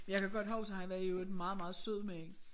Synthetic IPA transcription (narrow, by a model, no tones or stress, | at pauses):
mnjɑ̈kʰæɡ̥ɒd̥ɦɒ̽ʊbt͡sʰehæʋæɐød̥mɑ̈ːð̩ˠmɑ̈ːð̩ˠsøð̰ˠmeeŋ